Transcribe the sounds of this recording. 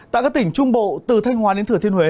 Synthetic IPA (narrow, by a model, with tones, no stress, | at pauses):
a̰ː˧˨jkaː˦˥k̚t̪ï˧˩ŋ̟t͡ɕʊ˧ŋ͡mɓo̰˧˨t̪ɨ˨˩t̪ʰa˧jŋ̟ɦwaː˨˦ɗe˨˦nt̪ɨ˧˩ət̪ʰi˧ənhwe˨˦